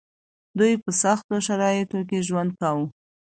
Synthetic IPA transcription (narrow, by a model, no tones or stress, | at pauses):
d̪ujpəsaxt̪oʃaɾɑjɪt̪ok̬eʒwand̪̚kawu